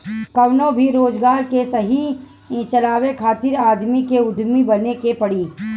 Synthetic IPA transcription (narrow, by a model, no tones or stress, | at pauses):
kɐʋnõbʱiɾoːd͡ʒɡaːɾkesɐɦi | t͡ʃɐlaːwekʰaːt̪ɪɾaːd̪mikeʊd̪ʱmibɐnekepɐɽiː